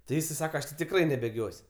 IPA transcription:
tʲɪ ˈjɪs ɪ ˈsɑːkɐ ˈɐʃ tʲɪ tʲɪkˈrɐɪ nʲɛbʲeːˈɡʲoːsʲ

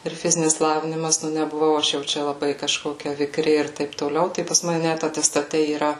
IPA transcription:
ɪr ˈfʲɪzʲɪnʲɪs ˈlˠɑːʋʲɪnʲɪmɐs nʲɛbʊˈʋɐʊ ˈɐʃ jɛʊ ˈt͡ʃʲɛ lˠɐˈbɐɪ kɐˈʃkoːkʲɛ ʋʲɪˈkrʲɪ ɪr ˈtɐɪp toːˈlʲɛʊ ˈtɐɪ pɐs ˈmɑːnʲɛ ˈnʲæt ɐtʲɛstɐˈtʲɛ iːˈrɐ

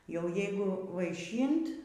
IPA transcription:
jɛʊ ˈjɛɪɡʊ ʋɐɪˈʃʲiːnt

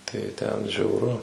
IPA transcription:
tɐɪ ˈtʲɛn ʒʲɛʊˈrʊ

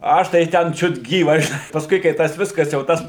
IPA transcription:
ˈɐʃ tɐɪ ˈtʲɛn t͡ʃʲʊt ˈɡʲiːʋɐs ʒʲɪˈnɐɪ pɐsˈkʊɪ kɐɪ ˈtɐs ˈʋʲɪskɐs jɛʊ ˈtɐs

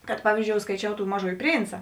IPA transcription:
kɐt ˈpɑːʋʲiːzʲd͡ʒʲoːʊ skɐɪˈt͡ʃʲɛʊ ˈtuː ˈmɑːˌʒuːjɪ ˈpʲrʲiːnt͡sɐ

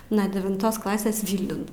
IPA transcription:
nuɔ dʲɛʋʲɪnˈtoːs ˈklˠɑːsʲeːs ˈʋʲiːlʲnʲʊn

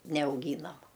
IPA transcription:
nʲɛɐʊˈɡʲiːnɐm

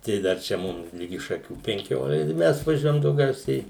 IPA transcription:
tɐɪ ˈdɐr t͡ʃʲɛ ˈmʊm ˈlʲɪɡʲɪ ʃɐˈkʲuː pʲɛŋʲˈkʲoːlˠ ˈmʲɛs ʋɐˈʒʲuɔjɛm dɐʊˈɡʲɛʊsʲɛɪ

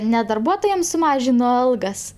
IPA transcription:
nʲɛ dɐrˈbuɔtoːjɛm sʊˈmɑːʒʲɪnoː ˈɐlˠɡɐs

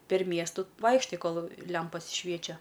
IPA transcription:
pʲɛr ˈmʲiɛstʊ ˈʋɐɪkʃtɐɪ ˈkoːlˠ ˈlʲɛmpɐs ˈʃʲʋʲiɛt͡ʃʲɛ

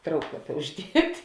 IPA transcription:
ˈtrɐʊklˠɐpʲɛ ʊʒʲˈdʲiɛtʲ

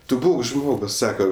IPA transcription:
ˈtʊ ˈbuːk ˈʒmoːɡʊs ˈsɑːkɐ

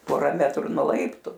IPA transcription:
ˈpoːrɐ ˈmʲæːtrʊ nuɔ ˈlˠɐɪptʊ

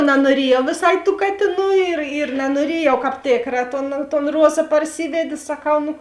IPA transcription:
nɐnuɔˈrʲiɛjɛʊ ʋʲeːˈsɐɪ tuː ˈkɑːtʲeːˌnuː ɪr ɪr nʲɛnuɔˈrʲiɛjɛʊ ˈkɑːp ˈtʲeːkrɐ ˈtoːn toːn ˈruɔzɐ pɐrʲˈsʲɪʋʲɛdʲeː sɐˈkɐʊ nʊ

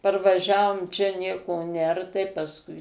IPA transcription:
pɐrʋɐˈʒʲæːʋoːm t͡ʃʲɛ ˈnʲiɛkoː ˈnʲɛr tɐɪ pɐsˈkʊɪ

